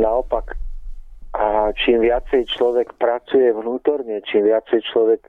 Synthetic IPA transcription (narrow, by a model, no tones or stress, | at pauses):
naɔpak | at͡ʃiːmʋɪat͡sɛjt͡ʃlɔʋɛkpɾat͡sujɛʋnuːt̪ɔɾɲɛt͡ʃiːmʋɪat͡sɛjt͡ʃlɔʋɛk